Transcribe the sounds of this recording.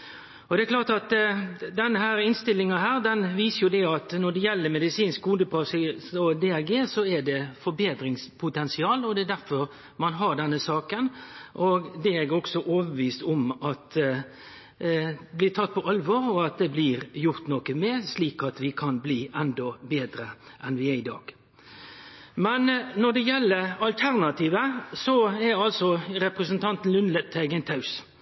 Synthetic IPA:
ɔd̪ɛɛkʰlɑːɾt̪ɑt̪d̪ɛnːəhæːɾɪnst̪ɪlːɪŋɑɦæːɾd̪ɛnʋiːsəjʊd̪ɛɑt̪nɔɖ̪ɛjɛlːəɾmɛd̪ɪsiːnskkʊnd̪əpʰɑsɪsɔd̪eæɡeːsɔɛɖɛfɔɾbeːd̪ɾɪŋspʰʊt̪ɛnsɪɑːlɔd̪ɛːd̪æɾfɔɾ | mɑnɦɑɾɖɛnːəsɑːkənʔɔɡd̪ɛɛɡɾɔksɔʔoːʋəɾʋiːst̪ɔmɑt̪ | blɪt̪ʰɑt̪̚ːpʰɔʔɑlʋɔːɾɔɑt̪̚d̪ɛblɪɾjʊɾt̪nɔːkəmesliːkɑt̪ʋɪkʰɑnbliːʔɛnd̪ɔbeːd̪ɾəʔɛnʋɪæɾɪd̪ɑ̰ːɡ̥ | mɛnnɔɾd̪ɛjɛlːəɾɑlt̪ʰæɾnɑt̪iːʋəsɔɛɑlsɔɾɛpɾəsənt̪ʰɑnt̪n̩lʉnlət̪ʰːæɪɡɛnt̪ʰɑʉs

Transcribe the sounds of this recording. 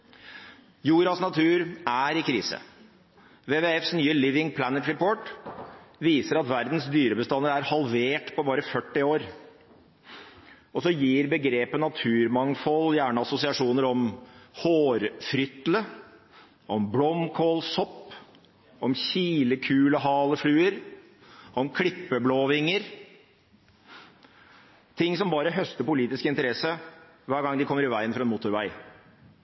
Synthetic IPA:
juːɾɑsnɑt̪ʰʉːɾæɾɪkʰɾiːsə̰ | ʋeːʋeːɛfsnyːəlɪʋɪŋpʰlænət̪ɾɛpʰoːʈ | ʋiːsəɾɑt̪ʋæɾd̪nsd̪yːɾəbəst̪ɑnəɾæɾhɑlʋeːʈpʰɔbɑːɾəfœʈːɪoːɾ | ɔsɔjiːɾbəɡɾeːpənɑt̪ʰʉːɾmɑŋfɔlːjæːɳəɑsʊsɪɑʂuːnəɾɔmhoːɾfɾʏt̪lə | ɔmblɔmkʰoːlsɔpː | ɔmɕiːləkʰʉːləɦɑːləflʉːəɾ | ɔmkʰɽɪpːəbloːʋɪŋːəɾ | t̪ʰɪŋːsɔmbɑːɾəɦœst̪əpʊliːt̪ɪskɪnt̪əɾɛsə | ʋæːɾɡɑŋd̪ɪkʰɔmːəɾɪʋæɪənfɾɑɛnmʊt̪ʊɾʋæɪ

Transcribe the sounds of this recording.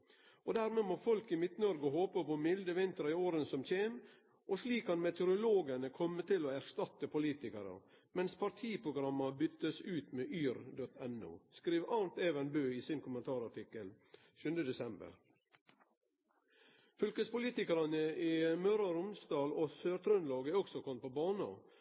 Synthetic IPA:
ɔd̪æːɾmemoːfɔlkɪmɪt̪nəɔɾɡəhoːpəpɔmɪld̪əʋɪnt̪ɾɑɪoːɾənsɔmc͡çeːm | ʔosliːkhɑnmɛt̪ʊɾʊloːɡənəkʰɔmːət̪ʰɪloːæɾst̪ɑt̪əpʰʊliːt̪ɪkəɾə̰ | mɛnspʰɑɾt̪ʰiːpʰɾʊɡɾɑmɑbʏt̪ːəsʉːt̪meːʔyːɾd̪ɔt̪ɛnṵːskɾiːʋɑːnt̪eːʋɛnbøːiːsɪnkʰʊmənt̪ʰɑːɾɑʈɪkəl | ʃʉnd̪əd̪ɛsɛmbə̰ɾ | fʏlkəspʊliːt̪ɪkəɾɑnəiːmœɾɑɾʊmsd̪ɑːloːsøːɾt̪ʰɾœnloːɡæɔɡsɔkʰɔmt̪̚pʰɔbɑːnɑ̰

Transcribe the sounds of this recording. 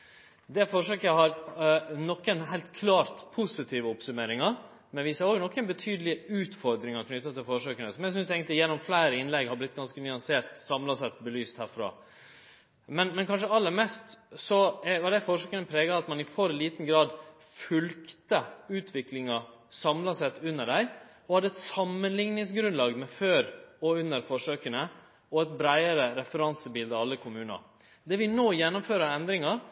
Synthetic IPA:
d̪ɛfɔʂøːkəəɦɑɾnɔkːənɦæɪlt̪kʰlɑːɾt̪pʰusɪt̪ʰiːʋəɔpsʉmeːɾɪŋɑɾ | mɛnʋiːsəɾoːɡnɔkːənbət̪ʰyːd̪əlɪʉːt̪fɔɾd̪ɾɪŋɑɾkʰnʏt̪ːɑt̪ʰːɪlfɔʂøːkənəsɔmjɛɡs̬ʏnseːɡənlɪjɛnːɔmflæɪɾəɪnlɛɡhɑblɪt̪̚ːɡɑnskənʏɑnseːɾt̪sɑmlɑsɛt̪bəlyːst̪hæːɾfɾɑ̰ː | mɛnmɛnkʰɑnʂəɑlːəɾmɛst̪sɔɛʋɑɖæɪfɔʂøːkənəpʰɾeːɡɑɑt̪mɑnɪfɔɾliːt̪n̩ɡɾɑːd̪ | fʉlkt̪əʉːt̪ʰʋɪklɪŋɑ | sɑmlɑsɛt̪ʉnːəɖæɪ | ɔhɑd̪ːəɛt̪sɑmːənlɪŋnɪŋsɡɾʉnlɑːɡmɛføːɾɔʉnːəɾfɔʂøːkənə | ɔɛt̪bɾæɪəɾəɾɛfəɾɑnsəbɪld̪ɑɑlːəkʰʊmʉːnə̰ | d̪ɛʋɪnoːjɛnːʊmføːɾəɛnd̪ɾɪŋɑɾ

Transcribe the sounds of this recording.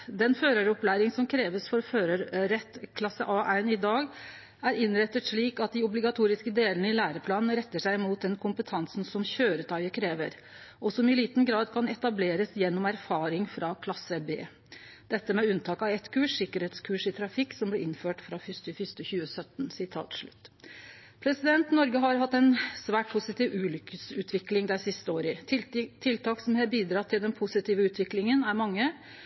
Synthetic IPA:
d̪ɛnføːɾəɾɔplæɪɾɪŋsɔmkʰɾeːʋəsfɔɾføːɾəɾɾɛt̪kʰlɑsəʔɑːʔæɪnɪd̪ɑːɡ | æɾɪnɾɛt̪ːət̪ʂɭiːkɑt̪̚d̪ɪʊblɪɡɑt̪ʰuːɾɪskəd̪eːlənəɪlæːɾəpʰlɑːnn̩ɾɛt̪ːəʂæɪmuːt̪̚d̪ɛnkʰʊmpət̪ʰɑnsn̩sɔmçøːɾət̪ʰɑʏəkʰɾeːʋə̰ɾ | ɔsɔmɪliːt̪nɡɾɑːd̪kʰɑnɛt̪ɑbleːɾəsjɛnːɔmæɾfɑːɾɪŋfɾɑkʰlɑsəbḛː | d̪̥ɛt̪ːəmɛʉnt̪ʰɑːkɑʋɛt̪kʰʉːʂsɪkəɾheːt̪skʰʉːʂɪt̪ʰɾɑfɪkːsɔmblɛʔɪnføːʈfɾɑfʏst̪əfʏst̪əçʉːəsœt̪n̩sɪt̪ʰɑ̰ːt̪ʂɭʉ̰t̪ː | pʰɾɛsɪd̪ɛnt̪nɔɾɡəɦɑɾɦɑt̪ːɛnsʋæːʈ̚pʰʊsɪt̪iːʋʉːlʏkəsʉːt̪ʰʋɪklɪŋd̪æɪsɪst̪əoːɾɪt̪ʰɪlt̪ʰɑːksɔmhɛːbiːd̪ɾɑt̪ʰːɪld̪ɛnpʰʊsɪt̪iːʋəʉːt̪ʰʋɪklɪŋənæɾmɑŋːə

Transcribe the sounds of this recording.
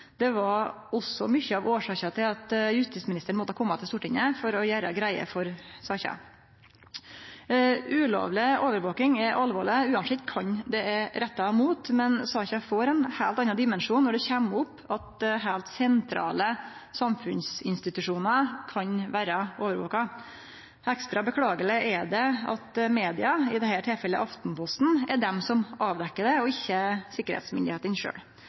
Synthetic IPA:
d̪̥ɛʋɑɾ | ɔsɔmʏçːəɑʋoːʂɑːkɑt̪ʰɪlɑt̪jʉst̪ɪsmɪnɪst̪əɳ̩mɔt̪ːəhɑkʰɔmːɑt̪ɪlst̪uːʈɪŋəfɔɾɔjæːɾəɡɾæɪə̰fɔɾsɑːçɑ̰ | ʉːlo̰ːʋlɪoːʋəɾʋoːkɪŋɛɾʔɑlʋo̰ːɭɪʉːɑnʂɪt̪kʰɑɲd̪ɛɛɾɛt̪ːɑmuːt̪mɛnsɑːçɑfoːɾɛnhæːlt̪ɑnːɑd̪ɪmɛnʂuːnːɔɖɛçɛmʊpː | ɑt̪̚dɦæːlt̪sɛnt̪ʰɾɑ̰ːləsɑmfʉnsɪnst̪ɪt̪ʉʂuːnəkʰɑɲʋæːɾɑoːʋəɾʋo̰ːkɑ | ɛkst̪ɾɑbəkʰɽɑːɡələʔɛd̪ɛɑ̰t̪meːd̪ɪɑɪd̪ɛhæːʈʰɪlfɛlːə̰ʔɑft̪n̩pʰɔst̪n̩ɛɖɛmsɔmʔɑːʋd̪ɛkːəɖɛɔɪçːəsɪkəɾhḛːt̪smʏnd̪ɪheːt̪ənʂø̰ːɽ

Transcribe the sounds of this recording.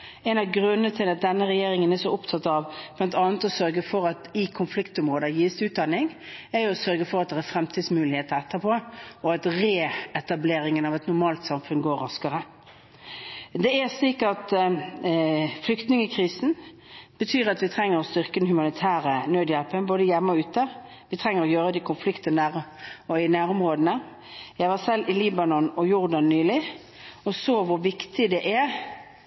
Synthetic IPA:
ɛnɑʋɡɾʉnːəət̪ʰɪlɑt̪̚d̪ɛnːəʁɛjeːɾɪŋənæsɔʊpt̪ʰɑt̪ːɑʋb̥lɑnt̪ʰɑːnət̪ɔsœɾɡəfɔɾɑt̪ɪkʰʊnflɪkt̪ʊmʁoːd̪əjiːst̪ʉːt̪̚d̪ɑnːɪŋæɾjʊɔsœɾɡəfɔɾɑt̪̚d̪ɛʁæfɾɛmt̪ʰiːd̪smʉːlɪheːt̪əɾɛt̪ːəpʰoːɔɑt̪ʁeːɛt̪ɑbleːɾɪŋənɑʋɛt̪nʊɾmɑːlt̪sɑmfʉnɡoːɾːɑskəʁə | d̪ɛæsliːkɑt̪ | flʏkt̪nɪŋəkʰɾiːsn̩ | b̥ət̪ʰyːɾɑt̪ʋɪt̪ʰʁɛŋːəɾɔst̪ʏʁkəd̪ɛnhʉmɑnɪt̪ʰæːɾənøːd̪jɛlpənboːd̪əjɛmːəɔʉːt̪ə | ʋɪt̪ʰʁɛŋːəɾɔjøːɾəd̪ɛɪkʰʊnflɪkt̪ənəʁɔɪnæːɾʊmʁoːd̪ənə | jæɪʋæsɛlːɪliːbɑnɔnɔjʊʁd̪ɑnːyːlɪ | ɔsoːʋʊɾʋɪkt̪ɪd̪ɛʔæɾ

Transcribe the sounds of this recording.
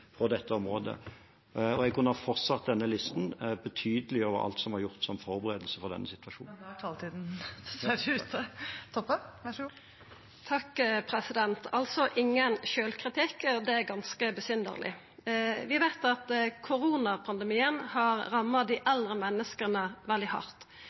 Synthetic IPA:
pʰɔd̪ɛt̪ːəɔmʁoːd̪ə̰ | ɔɛɡkʉnəhɑfɔʁt̪sɑt̪̚d̪ɛnːəlɪst̪nbət̪ʰyːd̪əlɪoːʋəɾɑ̰lt̪sɔmhɑɾʁjʊʁt̪sɔmfɔʁbəʁeːd̪əlsəfɔʁd̪ɛ̰nːəsɪt̪ʋɑʃuːɑlt̪ʰiːd̪n̩sed̪ʉt̪t̪ʰɔpːə | t̪ʰɑkːpʰʁɛsɪd̪ɛnt̪ʰɑlsɔʔɪŋːənʃøːlkʰʁɪt̪ʰɪkːɔd̪ɛæɾɡɑnskəbəsʏnd̪ə̰ʁlʔɪ̰ | ʋɪʋæɪt̪ɑt̪kʰʊɾuːnɑpʰɑnd̪əmiːənhɑʁʁɑmːɑd̪ɪʔɛld̪ʁəmɛnːəskənəʋɛld̪ɪhɑ̰ɾt̪

